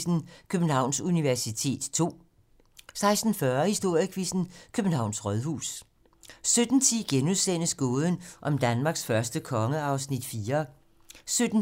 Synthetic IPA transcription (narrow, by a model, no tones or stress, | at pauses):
sn̩kʰøb̥n̩hɑ̈ʊ̰nsuniʋæɐsit͡sʰe̝̰ːd̥t͡sʰo̝̰ː | sɑ̈ɪsd̥n̩fɶɐhisd̥o̝ɐ̰jəkʰʋisn̩kʰøb̥n̩hɑ̈ʊnsʁœðˠɦṵːs | sød̥n̩t͡sʰiɡ̥enuðˠsen̰əsɡ̥oːð̞ˠən̩ʔɒ̽md̥ænmɑ̈ːɡ̥sfɶɐsd̥əkʰɒ̽ŋəɑ̈ʊsnid̥fiːɐ | sød̥n̩